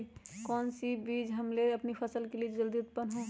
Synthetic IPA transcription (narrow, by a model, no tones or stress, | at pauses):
kɔːnsibiːd͡ʒɦəmleɐpnipʰəsəlkelied͡ʒəld̪iʊt̪̚pənɦõ